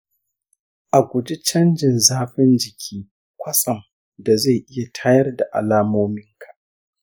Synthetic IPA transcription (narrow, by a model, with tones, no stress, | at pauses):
ʔa˨ɡʷʊ˨d͡ʒi˦t͡ʃɐ˦nd͡ʒɪ˨nzaː˦ɸɪ˦nd͡ʒɪ˨kʲʰiː˦ | kʷɐ˦sʼɐ˨ŋ | da˨za˦˨ʔɪ˦ja˨tʰaː˦jɐ˦rda˨ʔa̰˨laː˦moː˦mɪ˦ŋkʰḁ˨ʔ